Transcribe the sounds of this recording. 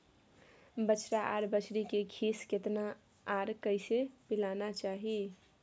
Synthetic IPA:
bət͡ʃɾaʔaɾbət͡ʃʰɾikekʰisket̪naː | ɾkəɪsepilanat͡ʃaɦi

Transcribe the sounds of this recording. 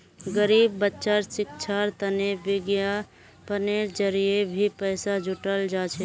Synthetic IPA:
ɡəɾiːbːətːʃaɾsɪkt͡ʃʰaɾt̪ənebɪɡja | pəneɾd͡ʒəɾijebʱipɛːsad͡ʒʱʊʈəld͡ʒat͡ʃʰɛ

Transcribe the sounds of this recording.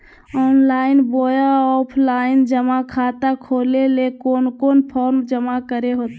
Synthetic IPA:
ɔːnlaːɪnboːjaɔːpʰlaːɪnd͡ʒəmakʰaːt̪akʰoːlelekoːnkoːnpʰoːɾmd͡ʒəmakəɾeɦoːt̪ː

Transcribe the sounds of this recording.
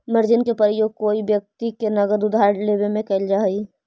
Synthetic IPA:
məɾd͡ʒɪnkepəɾəjoːɡ̚koːibjək̚t̪ikenɐɡəd̪ʊd̪ʱaːɾlebemẽkɐɪld͡ʒaːi

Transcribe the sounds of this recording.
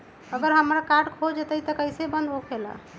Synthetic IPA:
əɡəɾɦəmɾakaʈkʰod͡ʒet̪əjt̪əkəɪsebənd̪okʰela̰

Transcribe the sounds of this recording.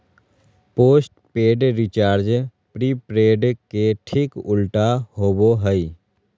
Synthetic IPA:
poːsʈpeːɖɾɪt͡ʃaːɾd͡ʒ | pɾiːpɾeːɖkeʈʰɪkʊlʈaɦoːboɦəi

